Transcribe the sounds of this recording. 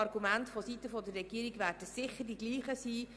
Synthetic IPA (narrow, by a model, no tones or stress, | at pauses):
ɑrɡumæntfɔsitəfɔd̪ərːɛɡiːɾiɡʋæːɾdəsɪχːəɾdiɡliːχəsiː